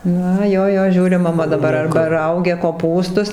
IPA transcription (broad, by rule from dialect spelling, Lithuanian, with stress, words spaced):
ˈnɐ ˈjoː ˈjoː ˈʒʲuːrʲɪ mɐˈmɐ ɐrbɐ ˈrɐʊɡʲɛ koːˈpuːstʊs